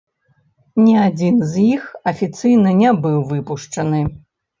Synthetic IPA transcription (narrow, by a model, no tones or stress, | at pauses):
nʲiad͡zʲinzjixɐfʲit̪sɨjnɐnʲɛbɨwvɨpuʂt͡ʂɐnɨ